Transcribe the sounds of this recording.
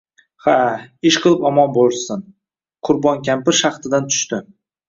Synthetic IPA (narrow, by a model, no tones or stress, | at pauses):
haɪʃqʰɨlˠɪpɒmɒnbolˠsɪn | qʰʊɾbɒnkʲʰampɪɾʃaχt̪ɪd̪ant̪ʰʊ̥ʃt̪ɪ